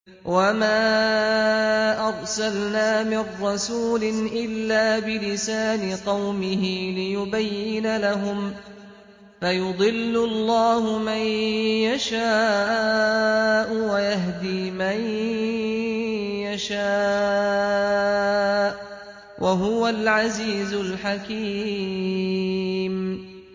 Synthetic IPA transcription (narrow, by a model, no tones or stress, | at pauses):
wamaː | ʔɑɾˤsalnaːmɪrːɑsuːlɪnʔɪlːaːbɪlɪsaːnɪqɑwmɪɦɪlɪjʊbajːɪnalaɦʊm | fajʊd̪ˤɨlːʊɑlˤːɑːhʊmanjaʃaː | ʔʊwajaɦd̪iːman | jaʃa | ʔ | wʔaɦʊwalʕaziːzʊlħakiː | m